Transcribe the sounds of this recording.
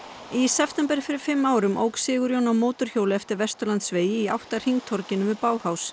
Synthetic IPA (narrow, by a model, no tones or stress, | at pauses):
isɛft̪ɛmpɛɾ̥fɪɾɪɾ̥fɪmːaːwɾʏmʔo̰wksɪːɣʏɾjownawmoːwt̪ʏɾ̥çoːwlɪɛft̪ɪɾvɛrst̪ʏɾlant̪sveːjɪia̰wht̪aɾ̥hiŋt̪ʰɔɾcɪnːʏvɪpaːwhaws